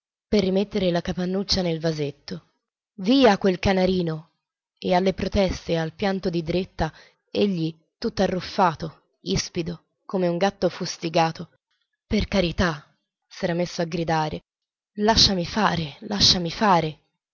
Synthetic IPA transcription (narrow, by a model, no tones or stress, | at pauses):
perːimet̪ːeɾelakapanːut͡ʃːanelvazet̪ːo | viːakwelkanaɾiːno | ealːepɾot̪ɛst̪ealpjant̪od̪id̪ɾet̪ːa | eʎːi | t̪ut̪ːarːufːaːt̪o | ispid̪o | komeuŋɡat̪ːofust̪iɡaːt̪o | perkaɾit̪a | sɛːɾamesːoaɡɾid̪aːɾe | laʃːamifaːɾelaʃːamifaːɾe